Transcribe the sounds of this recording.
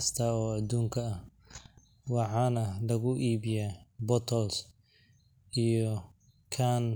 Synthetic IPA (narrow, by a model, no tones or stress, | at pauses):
st̪ʰaːɔːɐd̪uːŋkʰɐɐh | wɑħɑːnɐlɐɣʊʔiːβɪjabɔt̪ʰɔls | ʔijɔ | kʰan